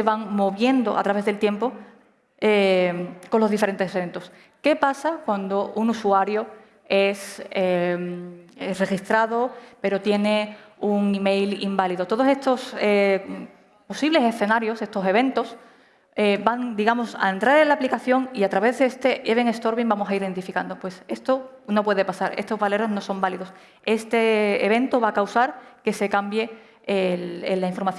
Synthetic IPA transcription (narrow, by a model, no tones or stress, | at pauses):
seβaŋmo̞βje̞nd̪o̞ʔa̰t̪ɾaβe̞zðe̞lt̪je̞mpo̞ | eko̞nlo̞zðifeɾe̞nt̪e̞seβe̞nt̪o̞s | ke̞pasakwand̪o̞ʔunusuaɾjo̞ | e̞semre̞xist̪ɾað̞o̞pe̞ɾo̞t̪je̞ne̞uŋime̞jlḭmbaliðot̪o̞ðo̞se̞st̪o̞se | po̞siβle̞se̞sθe̞naɾjo̞se̞st̪o̞se̞β̞e̞nt̪o̞s | ebaŋd̪iɣamo̞sa̰ent̪ɾaɾenlaplikaθjo̞ŋiat̪ɾaβe̞ððeest̪e̞ʔeβe̞ŋe̞st̪o̞ɾβiŋbamo̞saiðe̞nt̪ifikand̪opwe̞se̞st̪o | no̞pwe̞ð̞epasaɾe̞st̪o̞zβale̞ɾozno̞so̞mbaliðo̞s | e̞st̪eːβ̞ẽ̞nt̪oβakawsaɾke̞se̞kambje̞ | elelːaiɱfo̞ɾmaθj